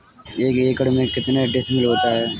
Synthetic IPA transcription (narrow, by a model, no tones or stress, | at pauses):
eːkeːkəɽmẽkɪt̪neɖɪsmɪlɦoːt̪aɦɛː